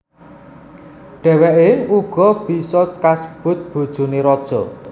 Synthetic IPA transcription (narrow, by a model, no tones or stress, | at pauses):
ɖ̥ɛ̤wɛʔeuɡ̥ɔ̤b̥i̤sɔt̪̚kasə̥b̥ʊ̤t̪̚b̥o̤d̥ʒ̥ṳneɾɔd̥ʒ̥ɔ̤